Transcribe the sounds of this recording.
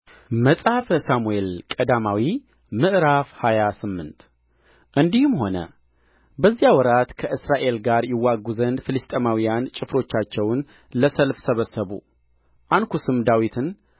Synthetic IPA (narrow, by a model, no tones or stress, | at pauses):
məsʼhafəsamuelkʼəd̪amawi | mɨʔɾafhajasɨmːɨnt̪ | ʔɨnd̪ihɨmho̞nə̰ | bəzːijawɔɾat̪kʰəʔɨsɾaʔe̞lɡaɾjɪwːaɡːuzənd̪fɨlɨst̪ʼemawijant͡ʃʼɪfɾo̞t͡ʃːat͡ʃːɛwn | ləsəlfsəβəsːəβṵ | ʔankʰusɨmd̪awit̪ʰɨn